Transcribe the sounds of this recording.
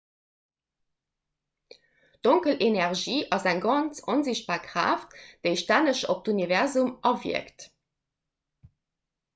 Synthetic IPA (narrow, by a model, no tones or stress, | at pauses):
d̥oŋkəlenæʁʒiːʔɑzæŋɡɑnt͡sonziɕt̚b̥aːʁkʁ̥a̰ːftd̥eɪʃtænəʃo̰p̚dunivɛʁzumɑvḭəkt